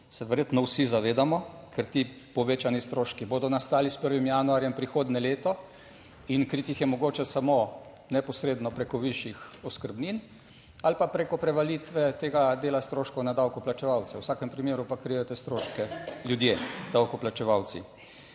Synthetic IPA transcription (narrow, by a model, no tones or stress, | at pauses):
sɛʋɛɾjeːt̪nɔwsizaʋeːd̪amɔkʰɛɾt̪iːpɔʋeːt͡ʃanist̪ɾoːʃkiboːd̪ɔnast̪aːlispəɾʋimjanuaːɾjɛmpɾixoːd̪nɛleːt̪ɔ | inkɾit̪ixjɛmɔɡoːt͡ʃɛsamo | nɛpɔsɾeːd̪nɔpɾekɔʋiʃjixɔskəɾbnin | alpapɾekɔpɾɛʋalit̪ʋɛt̪eːɡad̪eːlast̪ɾoːʃkɔwnad̪awkɔplat͡ʃɛʋawt̪sɛwsaːkɛmpɾimeːɾupakɾiijɛt̪ɛst̪ɾoːʃkɛljud̪jed̪awkɔplat͡ʃɛʋaw̪sḭ